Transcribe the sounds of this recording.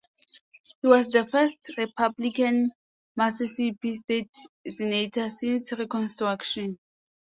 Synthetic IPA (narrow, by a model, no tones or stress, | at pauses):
hiwɔsdəfɛstɹipʰablikãn | masɛsipistetsɛnetʰəsĩnsɹikɔ̃nstɹakʃɔ̃n